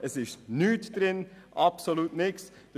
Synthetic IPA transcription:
ʔəsɪʃnyːtd̥ɾɪn | ʔɑpsoluːtnɪks | d̥ə

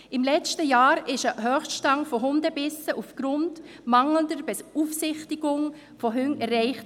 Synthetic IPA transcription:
ɪmlɛt͡stəjaːɾɪʃəɦœːχstʃtɑŋfɔɦʊndəbɪsəʔufɡ̥ɾʊnd | mɑŋləndəɾbɛsufsɪχtiɡʊŋ | fɔɦʏŋɛɾrɛɪχt

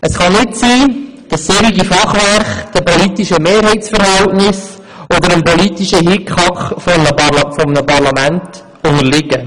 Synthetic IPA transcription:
əsχɑnɪtsiː | d̥ɑsːeɾiɡifɑχʋæɾχd̥əpɔlit̪iʃəmeːɾɦɛɪt͡sfəɾɦæltnɪs | ɔd̪əɾəmpɔlitiʃəɦɪkχɑkχfɔmnəɑlfɔmnəpɑɾlɑmænt | ʊŋəɾlɪɡə

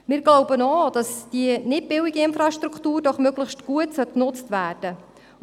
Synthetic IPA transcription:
mɪːɾɡloʊbənɔd̥ɑsd̥iənɪt̚bɪwiɡəɪnfɾɑʃtɾuktuːɾdɔχmøɡləχʃtɡ̥uətsœt̚knʊt͡stʋæːrd̥ə

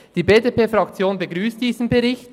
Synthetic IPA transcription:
d̥iːbeːdepeːfʁɑkt͡sjoːnbəɡʁyːstd̥iːzn̩bəʁɪçt

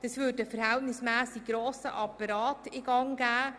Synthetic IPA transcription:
d̥ɑsvʏːdəfəɾhɛltnɪsmæːsɪɡɡ̥ɾoːsə̰ʔɑpɑɾɑːtɪɡ̥ɑŋɡ̥æː

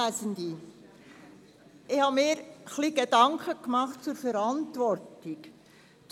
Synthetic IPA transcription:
æsənd̪i | ɪhɑmɪːɾχliɡed̥ɑŋkʰəkmɑχtt͡suɾfɛɾɑntʋɔɾtik

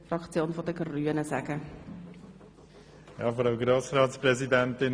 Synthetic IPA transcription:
frɑkt͡sjoːnfɔdəɡryːənəsæɡə | jɑːfɔɾɑʊɡɾoːsɾɑːt̪spɾɛzidæntɪn

